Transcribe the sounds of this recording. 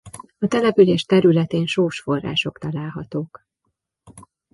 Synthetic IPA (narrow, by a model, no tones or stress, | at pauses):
ɒt̪ɛlɛpyleːʃt̪ɛɾylɛt̪eːnʃoːʃfo̞rːa̰ːʃo̞kt̪ɒlaːlɦɒt̪oːk